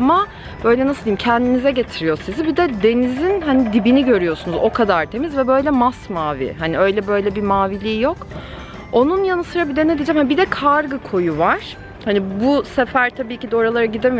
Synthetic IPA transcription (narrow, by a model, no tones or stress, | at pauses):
ma | b̥ø̞jlʲɛnaslˠd̪imcʰɛnd̪inizɛɟe̞t̪ʰiɾijo̞sizibid̪ɛd̪e̞nizinɦanid̪ibiniɟø̞ɾyjo̞sunuzo̞kʰad̪aɾt̪ʰe̞mizvɛbø̞jlʲɛmasmaːvḭɦaniø̞jlʲɛbø̞jlʲɛbimaːvilʲiːjo̞k | o̞nunjanɯsɯɾabid̪ɛned̪id͡ʒɛːmhanibid̪ɛkʰaɾɡɯkʰo̞juvaɾ̥ | hanibusefæɾt̪ʰabiːcid̪ɛo̞ɾalˠaɾaɟid̪em